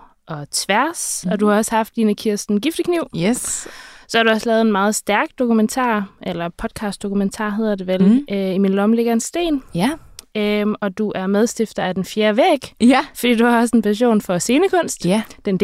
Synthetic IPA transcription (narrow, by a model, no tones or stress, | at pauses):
ʔɒ̽t͡sʰʋæɐsɒ̽d̥uhɑ̈ɒ̽sə̥hɑ̈fd̥ːiːnəkʰiɐ̰sd̥n̩ɡ̥ifd̥əkʰniʊ̰ | sɒ̽hɑ̈ɾ̥uɒ̽slɛːð̩ˠenmɑ̈ːð̞̩ˠsd̥æɐɡ̥̚d̥o̝kument͡sʰɑ̰̈ːʔelɐpʰɒ̽d̥̚kʰɑ̈sd̥o̝kʰument͡sʰɑ̰̈ːɦe̝ð̰ˠɐd̥e̝ʋelʔøiminlɒ̽mle̝ɡ̥ɐe̝nsd̥e̝̰ːn | øɒ̽d̥uʔæɐmeð̞ˠsd̥efd̥ɐæd̥enfjeːɐʋeɡ̥fɒ̽d̥ḭːd̥uhɑ̈ɒ̽s̬əe̝npʰæɕ̬o̝̰ːnfɒ̽se̝ːnəkʰɔ̽n̰sd̥d̥en